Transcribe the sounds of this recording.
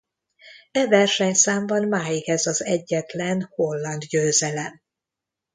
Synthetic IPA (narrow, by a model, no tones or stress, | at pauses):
ɛvɛrʃɛɲsaːmbɒnmaːjikhɛzɒzɛɟːɛt̪lɛnho̞lːɒnd̪ɟøːzɛlɛm